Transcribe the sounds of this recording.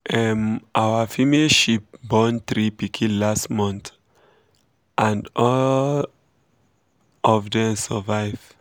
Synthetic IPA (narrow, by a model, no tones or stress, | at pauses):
ɛmʔawafimeʃip̚bɔ̃nt̪ɹipikʰĩnlastmɔ̃nt | ʔãndɔl | ɔvdɛ̃nsɔvaɪv̥